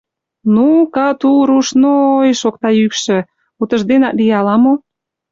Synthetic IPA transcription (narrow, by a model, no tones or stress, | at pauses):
nukɑt̪uɾuʃnoːjʃok̚t̪ɑjykʃĕ | ut̪ə̆ʒd̪enɑʔ̪lijɑlɑmo